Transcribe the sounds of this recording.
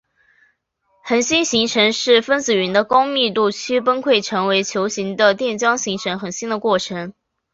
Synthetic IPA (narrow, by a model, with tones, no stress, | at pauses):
xə˨˩nɕi˥nɕi˧˥ŋʈ͡ʂʰə˧˥ŋʂɻ̩˥˩fə˥nt͡sɹ̩˨˩ɥy˧˥nd̪ə˧kʊ˥ʊmi˥˧t̪u˥˩t͡ɕʰy˥p̬ə˥nkʰwe˥˩ɪʈ͡ʂʰɤ˧˥ŋwe˧˥ɪt͡ɕʰjo˧˥ʊɕi˧˥ŋd̪ə˧t̪jɛ˥˩nt͡ɕjɑ˥ŋɕi˧˥ŋʈ͡ʂʰə˧˥ŋxə˨˩nɕi˥nd̪ə˨kwɔ˥˩ʈ͡ʂʰɤ˧˥ŋ